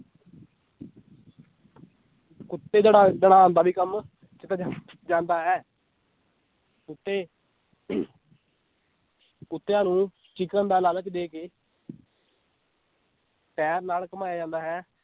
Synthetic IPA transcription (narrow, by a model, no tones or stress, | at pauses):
kʊt̪ːeːd͡ʒeːɽaːd͡ʒ̪əɽ̃aːãːnd̪aːbiːkəm | t͡ʃɪt̪a | d͡ʒãːnd̪aːɦɛː | kʊt̪ːeː | kʊt̪ːeːãːnũː | t͡ʃɪkə̃nd̪aːlaːləkd̪eːkeː | pɛːɾnaːlkəmaːjaːd͡ʒãːnd̪aːɦɛː